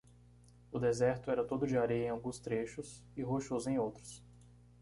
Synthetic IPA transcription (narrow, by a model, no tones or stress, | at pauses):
ʊd̪ezɛɾt̪ʊɛɾɐt̪od̪ʊd͡ʒɪaɾejɐẽawɡũst̪ɾeʃʊsɪɦoʃozẽj̃owt̪ɾʊs